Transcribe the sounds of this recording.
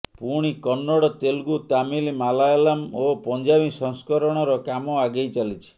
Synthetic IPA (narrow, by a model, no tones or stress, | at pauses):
puɽ̃ikɔnːɔɽɔt̪elɡut̪amilimalajalamopɔnd͡ʒabisɔŋskɔɾɔɽ̃ɔɾɔkamɔaɡejt͡ʃalit͡ʃʰi̥